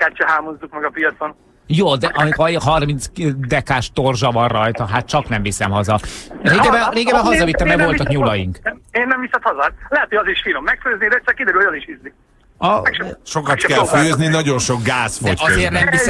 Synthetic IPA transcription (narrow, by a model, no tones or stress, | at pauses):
kat͡ʃɛɦaːmozːukmɛɡɒpijɒt̪son | joːd̪ɛʔɒmik̪ɒɦɒrmint̪sd̪ɛkaːʃt̪orʒɒvɒrrɒjt̪ɒɦat̪̚t͡ʃɒknɛmvisɛmɦɒzɒɾeːɡɛbɛreːɡɛbɛɦɒzɒvit̪ːɛmd̪ɛvo̞lt̪ɒkɲulɒjiŋkeːnːɛmvisɛt̪hɒzɔt̪lɛɦɛt̪ojɒziʃfinomːɛkføːznid̪ɛɛt̪sɛkid̪ɛɾylhoɒziʃhizːi | ɒɛkʃo̞kɒt̪kɛlføːzninɒɟo̞nʃo̞ɡɡaːsfo̰cɒzeːrt̪nɛmvis